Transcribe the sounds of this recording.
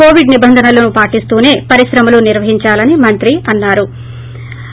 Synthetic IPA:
o̞ːʋiɖnibɐnd̪ʱɐnɐloːnupaːʈist̪uːne̞ːpɐɾiʃɾɐmɐluniɾʋɐɦiɲt͡ʃaːlɐnimɐnt̪ɾiɐnːaːɾu

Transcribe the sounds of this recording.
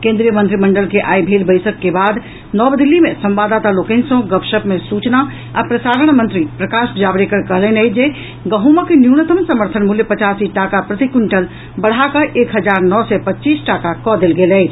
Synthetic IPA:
kẽːnd̪ɾijəmənt̪ɾiməɳɖəlkeʔaːjbʱelbəɪsəkːebaːd̪ | nɔbd̪ilːimẽsəmʋad̪at̪alokensõɡəpʃəpmesut͡ʃna | a̰pɾəsaːɾəɳmənt̪ɾipɾəkaʃd͡ʒabɾekəɾkəɦlenəjd͡ʒe | ɡəɦumakenjunət̪əmsəməɾt̪ʰənmuljepət͡ʃasiʈakapɾət̪ikuɳʈəl | bəɽ̤ɦakəʔekɦəd͡ʒaːɾnɔsɛpətːt͡ʃiːsʈakakɔd̪elɡeːlɛɪt͡ʃʰ

